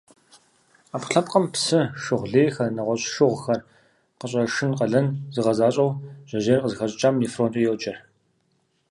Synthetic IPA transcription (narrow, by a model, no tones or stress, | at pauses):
aːpɬɐpʼqʼɐmpsɨʂɨʁʷɮeːxɐrnɐʁʷɔɕʃɨʁʷxɐr | qəɕʼɐʂɨnqɐɮɐnzɨʁɐzaːɕʼɐwʑ̥ɐʑeːrqəzɨxɐɕʼt͡ʃʼaːmjiːfroːntʼijɛwt͡ʃʼɐr